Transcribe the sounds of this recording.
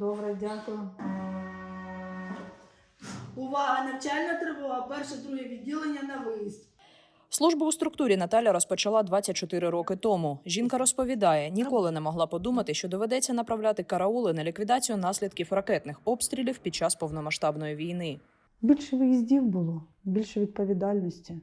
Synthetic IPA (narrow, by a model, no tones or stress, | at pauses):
d̪ɔbɾɛdʲakʊj | ʊʋɑɦɐnɐt͡ʃalʲnɐt̪ɾɪʋʊlˠɐpɛrʃɛd̪ɾuɦɛʋʲidʲːilˠenʲːɐnɐʋɪjiztʲ | slˠuʒbɐʊst̪ɾʊkt̪uɾʲinɐt̪ɑlʲjɐɾɔspɔt͡ʃɐlˠɑd̪ʋɑt͡sʲːɐt̚ʲt͡ʃɔt̪ɪɾɪɾɔkɪt̪ɔmuʒʲinkɐɾɔspɔʋʲid̪ɑjɛnʲikɔlˠɪnɛmɔɦlˠɑpɔd̪umɐt̪ɪʃt͡ʃɔd̪ɔʋɛd̪ɛt͡sʲːɐnɐpɾɐwlʲat̪ɪkɐɾɐɔlˠɪnɐlʲikʋʲid̪ɑt͡sʲijʊnɑsʲlʲid̪kʲiwrɐkɛt̪nɪxɔpst̪ʲɾʲilʲiwpʲid̚t͡ʃɑspɔwnɔmɐʃt̪ɑbnɔjiʋʲijnɪ | bʲilʲʃɛʋɪjizʲdʲiwbʊlˠɔbʲilʲʃɛʋʲid̪̚pɔʋʲid̪ɑlʲnɔsʲtʲi